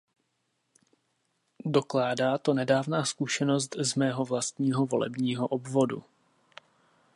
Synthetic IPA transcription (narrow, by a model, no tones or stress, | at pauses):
do̞klaːdaːt̪o̞nɛdaːvnaːskuʃɛno̞st̪zmɛːɦo̞vlast̪ɲiːɦo̞vo̞lɛ̰bɲiːɦo̞ʔobvo̞dṵ